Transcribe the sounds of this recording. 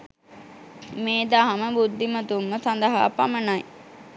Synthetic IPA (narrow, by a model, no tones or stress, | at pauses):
meːd̪aɦaməbud̪ːimət̪umːəsand̪əɦa̰ːpamənaj